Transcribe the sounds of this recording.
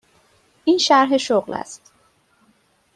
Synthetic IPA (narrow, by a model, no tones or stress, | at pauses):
ʔiːnʃæɾɦeʃoɣlæ̰st̪